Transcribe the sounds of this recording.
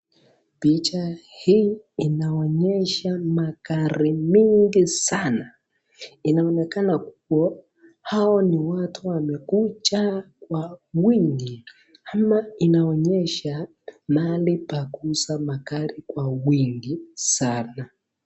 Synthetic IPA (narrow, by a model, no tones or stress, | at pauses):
pit͡ʃahiː | naɔɲɛʃamakaɾimiŋɡisana | inaɔnɛkanak̚uwɔ | haɔniwatʰuwamɛkut͡ʃakwawiŋɡi | amainaɔɲɛʃa | malipakusamakaɾikwawiŋɡisana